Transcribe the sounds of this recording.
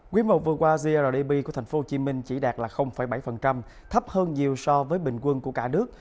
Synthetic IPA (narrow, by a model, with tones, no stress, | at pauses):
kwi˨˦mo˨˩t̚vɨ˨˩əkwaː˧zi˧a˧ɗəː˨˩ɗi˧ɓi˧ku˧˩ət̪ʰŋ̟fo˨˦t͡ɕi˨˦mï˧ŋ̟t͡ɕi˧˩ɗaː˨˩t̚laː˨˩xə˧wŋ͡mfa˧˩jɓa˧˩jfə˨˩nt͡ɕa˧m | t̪ʰə˦˥p̚həː˧nɲi˨˩əwsɔ˧vəː˨˦jɓï˨˩ŋ̟kwə˧nku˧˩əkaː˧˩nɨ˦˥ək̚